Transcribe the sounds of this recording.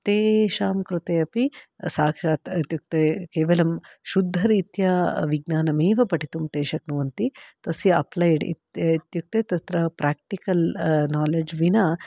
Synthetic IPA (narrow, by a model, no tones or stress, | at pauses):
t̪eːʃaːmkɾut̪eːɐpisaːkʂaːt̪t̪juk̚t̪ekeːʋɐlɐmʃud̪ʱːɐɾiːt̪jaʋiɡnaːnɐmeːʋɐpɐʈit̪umt̪eːʃɐknuʋɐnt̪it̪ɐsjɐɐ̰plɐjɖḭt̪t̪juk̚t̪et̪ɐt̪ɾɐpɾaːk̚ʈikɐlnaːled͡ʒʋina